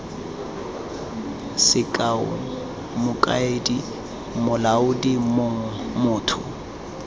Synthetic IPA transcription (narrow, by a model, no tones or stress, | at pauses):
sɪkʼaʊ̰ | mʊkʼa̰edi | mʊlaʊdimoŋ̩mʊːtʰʊ